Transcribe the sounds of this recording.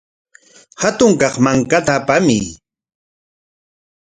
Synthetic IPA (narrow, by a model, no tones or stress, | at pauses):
hat̪ʊŋkɑχmaŋkat̪aːpamɪ